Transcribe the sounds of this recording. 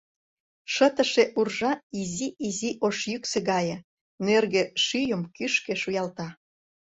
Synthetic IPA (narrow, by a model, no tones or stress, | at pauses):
ʃət̪ə̆ʃeʔurʒɑiziiziʔoʃjykseɣɑjə̆ | nerɣeʃyjəmkyʃkeʃujɑlt̪ɑ